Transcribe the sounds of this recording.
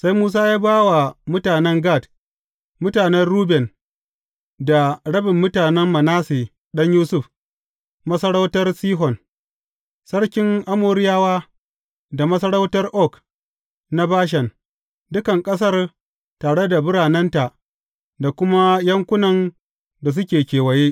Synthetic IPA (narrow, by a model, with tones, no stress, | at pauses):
sa˦jmuː˦s̬aː˦jaː˦baː˦wa˨mʊ˦taː˨nɛ˦ŋɡaː˦˨t | mʊ˦taː˨nɛ˦ɽuː˦bɛ˨n | da˨ɽɐ˦bɪ˨mːʊ˦taː˨nɛ˦mmɐ˨naː˦seː˨ | ɗɐ˦ɲjuː˦sʊ˦˨ɸ | mɐ˦sɐ˦ɽa˦wtɐ˦rsiː˦ɦɔ˨n | sɐ˦ɽkʲɪ˦ŋʔa˦moː˨ɾɪ˦jaː˦waː˦ | da˨mɐ˦sɐ˦ɽa˦wtɐ˦rʔɔ˦˨k | na˦baː˦ʃ̬ɛ˨n | dʊ˦kɐ˨ŋkʼɐ˦s̬ɐ˦r | taː˨ɽe˦da˨bʊ˦ɽaː˨nɛ˦nta˨ʔ | da˨kʷʊ˦ma˦jɐ˦ŋkʷʊ˦nɐ˨n | da˨s̬ʊ˦kʲeː˨kʲeː˨wɐ˨jeː˦